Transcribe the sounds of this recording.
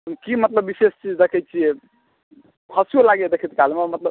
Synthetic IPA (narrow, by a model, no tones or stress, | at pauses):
kimət̪ləbːisest͡ʃid͡ʒd̪ekʰɛt͡ʃʰiɛ | hʰəsijolaɡed̪ekʰit̪kalmemət̪ləb